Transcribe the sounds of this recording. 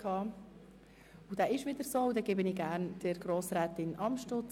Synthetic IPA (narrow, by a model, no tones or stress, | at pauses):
kʰɑː | ud̥̪æːɪʃʋɪd̪əɾsoːʊdɛɡeːbəniːɡæːɾnd̥əɾɡ̥ɾoːsɾɛːt̪ɪnʔɑmʃtʊt͡s